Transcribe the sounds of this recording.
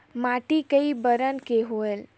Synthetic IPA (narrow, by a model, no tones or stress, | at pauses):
maʈikəibəɾənkeɦoel